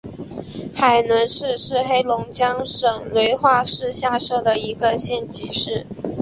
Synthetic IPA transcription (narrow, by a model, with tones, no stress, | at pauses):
xa˨˩ɪnwə˧˥nʂɻ̩˥˧ʂɻ̩˥˩xe˥ɪlʊ˧˥ŋt͡ɕjɑ˥ŋʂɤ˨˩ŋlwe˧˥ɪxwa˥˧ʂɻ̩˥˧ɕja˥˧ʂɤ˥˩d̪ə˩i˧˥ɡə˧ɕjɛ˥˩nt͡ɕi˧˥ʂɻ̩˥˩